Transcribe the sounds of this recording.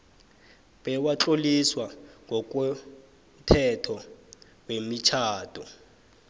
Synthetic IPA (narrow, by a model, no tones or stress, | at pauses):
ɓɛwat͡ɬoliswaŋɡʱɔk̬ʼɛ | m̩tʰɛtʰɔ | wemit͡ʃʰaːd̥ʰʱʼɔ